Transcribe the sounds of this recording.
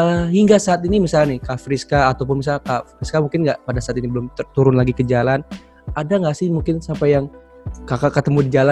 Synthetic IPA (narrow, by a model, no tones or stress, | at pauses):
əɦiŋɡasaːt̪inimisalanɪhkafɾiskaːt̪awp̬ʊnmis̬akafɾiskamuŋkɪnɡaʔpadasaːt̪inibəlʊmt̪uɾʊnlaɡikəd͡ʒalan | adaŋɡaʔsɪhmuŋkɪnsapajaŋ | kakakət̪əmudid͡ʒala